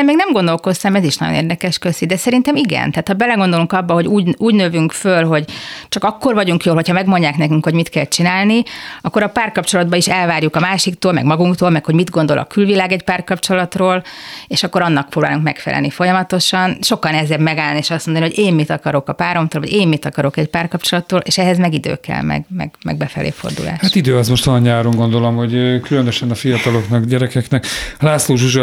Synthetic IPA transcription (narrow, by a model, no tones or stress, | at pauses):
ɛmeːɡnɛmɡo̞nd̪o̞lko̞st̪ɒmɛziʃnɒ̰ɟonḛːrd̪ɛkɛʃkøsid̪ɛsɛɾint̪ɛmiɡɛ̰nt̪aːt̪hɒbɛlɛɡond̪o̞luŋkɒbːɒɦo̞ɟuːɟuːɟnøvyŋkfølɦo̞ɟt͡ʃɒkɒkːo̞rvɒɟuŋkjoːlɦo̞cʰhɒmɛɡmo̞ɲɟaːknɛkyŋkho̞ɟmit̪kɛlt͡ʃinaːlniɒkːo̞ɾɒpaːrkɒp̚t͡ʃo̞lɒd̪bɒiʃɛlvaːrjukɒmaːʃikt̪oːlmɛ̰ɡmɒɡuŋkt̪oːlmɛkho̞ɟmid̪ɡo̞nd̪o̞lʔɒ̰kylvilaːɡɛcpaːrkɒpt͡ʃolɒt̪roːleːʃɒkːoɾɒnːɒk̚pɾroːbaːluŋkmɛkfɛ̰lʔɛ̰lnifo̞jɒmɒt̪o̞ʃɒnʃo̞kːɒnɛzɛbmɛɡaːlnieːʃɒstmond̪nioɟeːmmit̪ɒkɒɾo̞kɒpaːɾo̞mt̪oːlvɒ̰ɟeːmmit̪ɒkɒɾo̞kɛcpaːrkɒp̚t͡ʃo̞lɒt̪ːoːlʔeːʃɛɦɛzmɛɡid̪ø̰ːkɛ̰lmɛ̰ɡmɛ̰ɡmɛ̰ɡ̚bɛfɛlʔḛːfo̰rd̪ṵla̰ːʃat̪id̪øːɛzmo̞ʃt̪ɒɒɲɲaːɾoŋɡo̞nd̪o̞lo̞mho̞ɟkylønøʃɛnɒfijɒt̪ɒloknɒkɟɛɾɛkɛknɛklaːsloːʒuʒɒ